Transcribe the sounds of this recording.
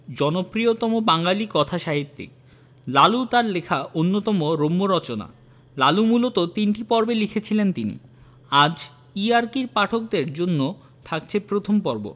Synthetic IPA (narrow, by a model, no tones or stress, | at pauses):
d͡ʑɔnopɾiot̪ɔmobaŋɡalikɔt̪ʰaʃaɦit̪ːḭk | lalut̪aɾlekʰaʔonːot̪ɔmoɾomːoɾɔt͡ɕona̰ | lalumulot̪ot̪inʈipɔɾbelikʰet͡ɕʰilent̪inḭ | ad͡ʑ | iaɾkiɾpaʈʰok̚d̪eɾd͡ʑonːo | t̪ʰakt͡ɕʰepɾot̪ʰompɔɾbo̰